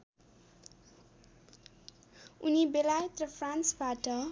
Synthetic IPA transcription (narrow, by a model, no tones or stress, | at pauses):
unibelajʌt̪rʌpʰransbaʈʌ